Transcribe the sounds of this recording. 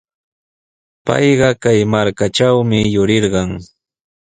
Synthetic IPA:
pɑ̰jɢɑkajmaɾkat͡ʃawmɪjʊɾɪɾɢɑŋ

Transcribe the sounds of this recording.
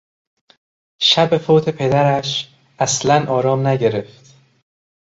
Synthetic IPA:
ʃæbe̞foːt̪ʰe̞pʰe̞d̪æɾæʃ | ʔæslænʔɒːɾɒːmnæɟe̞ɾe̞ft̪

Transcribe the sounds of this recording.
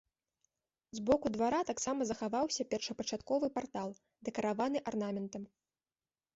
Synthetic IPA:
zbɔkud̪vaɾat̪aksamɐzɐxavawsʲɐpʲɛrʂɐpɐt͡ʂat̪kɔvɨpart̪alˠ | d̪ɛkɐɾavanɨʔarnamʲɛnt̪ɐm

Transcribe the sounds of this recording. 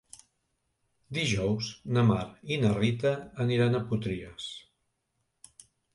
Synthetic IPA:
d̪iʒɔwznəmaɾinərit̪əːniɾanəput̪ɾiəs

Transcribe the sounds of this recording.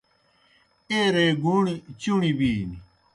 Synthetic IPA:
eɾeɡuɳit͡ɕuɳibiːni

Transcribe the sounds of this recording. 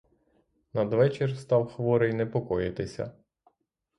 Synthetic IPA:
nɐd̪ʋɛt͡ʃerst̪ɑwxʋɔɾɪjnɛpɔkɔjɪt̪ɪsʲɐ̰

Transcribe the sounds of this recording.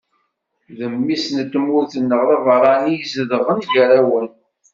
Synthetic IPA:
ðəmːisnət̪ːmuθənːəʁðivəɾˤɑnijzəðəʁənʝəɾæwən

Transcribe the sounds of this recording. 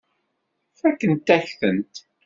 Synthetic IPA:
fækːənt̪ːæçθənt̪

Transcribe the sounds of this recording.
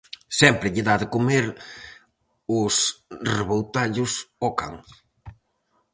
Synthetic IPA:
sɛmpɾɪʎɪðaðɪkomeɾ | ʊsreβowt̪aʎʊsɔka̰ŋ

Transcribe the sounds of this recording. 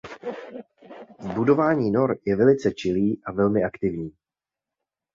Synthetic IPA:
zbudo̞vaːɲiːno̞ɾjɛvɛlɪt͡sɛt͡ʃɪliːʔavɛlmɪʔakt̪ɪvɲiː

